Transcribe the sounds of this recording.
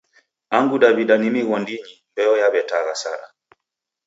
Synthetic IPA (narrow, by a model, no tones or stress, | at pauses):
aŋɡuɗaβiɗanimiɣɔndiɲimbɛɔjaβɛtaɣasa̰ɾa̰